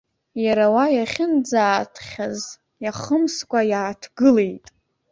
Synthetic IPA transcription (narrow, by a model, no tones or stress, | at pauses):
jaɾawajaχʲɪnd͡zaːtʰχʲaz | jaχəmskʷʼajaːtʰɡɨle̞jtʼ